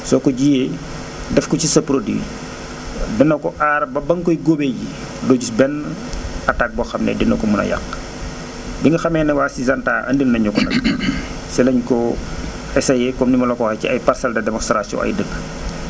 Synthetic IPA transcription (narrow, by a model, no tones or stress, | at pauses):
sɔkɔɟije | dɛfkɔcisɐpɾodḭ | dɛnːɐkɔʔaːɾbɐbɐŋkɔjɡobɛji | dɔːɟusbɛn | ɐtak̚bɔxɐmnɛ̰dɛnːɐkɔmunɐ̰ja̰kː | biŋɡɐxɐmɛːnɐwaːsizɐntaːʔɐ̰ndilnɐɲɔkɔnɐ̰k | sɛlɐɲkɔ | ɛsɐjɛkɔmnimɐlɔkɔːxɐcḭɐjparsɐldɐdɛmɔnstɾasɔ̰ʔɐ̰jdəɡ